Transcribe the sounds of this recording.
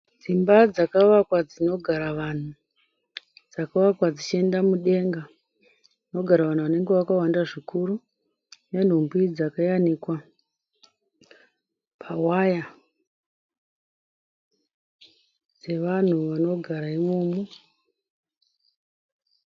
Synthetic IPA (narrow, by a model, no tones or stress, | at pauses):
d͡zimbad͡zakaʋakwad͡zino̞ɡʱaɾaʋan̤u | d͡zakaʋakwad͡zit͡ʃie̞ndamuɗe̞ŋɡa | no̞ɡʱaɾaʋan̤uʋane̞ŋɡe̞ʋakawandaʐikuɾu | nen̤umbwid͡zakajanikwa | pʰawaja | d͡ze̞ʋan̤uʋano̞ɡʱaɾaimomo